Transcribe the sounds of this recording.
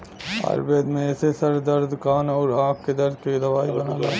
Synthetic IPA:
ɐ̰ɾbeːd̪mẽesesɐɾd̪ɐɾd̪kaːnɐːɾaːkːed̪ɐɾd̪ked̪ɐʋaːibɐnaːlaː

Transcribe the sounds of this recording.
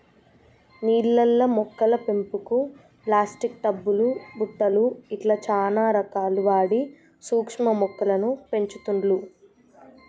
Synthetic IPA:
niːllːɐlːɐmɔkːɐlɐpe̞mpuku | plaːsʈik̚ʈ̪ɐbːulubuʈ̪ːɐluiʈlɐt͡ʃaːnaːɾɐkaːluʋaːɽi | suːkʂmɐmɔkːɐlɐnupe̞ɲt͡ʃut̪uɳɖlu

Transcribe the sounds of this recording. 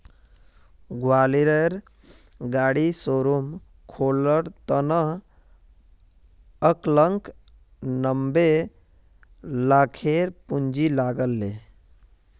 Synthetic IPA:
ɡwaliɾəɾ | ɡaɽisoɾum | kʰoləɾt̪ənəɦ | əkləŋk | nəmbe | lakʰeɾpund͡ʒilaɡəlːe

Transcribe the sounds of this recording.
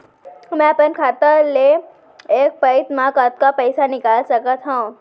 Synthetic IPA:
mɛ̃ɐpənkʰaːt̪ale | eːk̚pəɪt̪mãkat̪̚kapɛɪsanɪkaːlsɐkət̪ɦã

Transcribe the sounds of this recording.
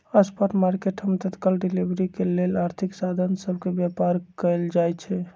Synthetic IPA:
əspəʈmaɾkeʈɦəmet̪ət̪kalɖilibɾikelelaɾt̪ʰiksad̪ʱənsəbʱkebjapaɾkəjld͡ʒajt͡ʃʰɛ

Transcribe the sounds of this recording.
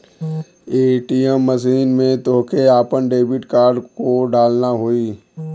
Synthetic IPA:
eːʈiɛmːəs̬iːnmẽt̪oːkeaːpənɖeːbɪʈkaːɾɖkoɖaːlnaɦoiː

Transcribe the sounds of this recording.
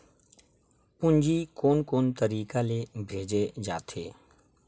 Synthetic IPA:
pʊ̃ɲd͡ʒikoːnkoːnt̪əɾiːkalebʱeːd͡ʒed͡ʒaːt̪ʰeː

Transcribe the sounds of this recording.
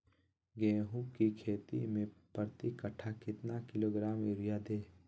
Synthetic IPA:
ɡeːɦũkikʰeːt̪ḭmẽpəɾt̪ikɐʈʰakɪt̪nakɪloːɡɾaːmɪɾɪjad̪eː

